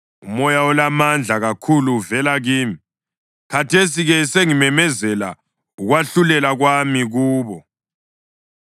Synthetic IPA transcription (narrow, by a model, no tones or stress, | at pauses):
umɔjaɔlamand͡ɮʱaɣakʰuluvɛlaɣiːmi | kʰatʰesiɣɛseŋimɛmɛzɛla̰ | uɣwaɬulɛlaɣwamiɣuːβɔ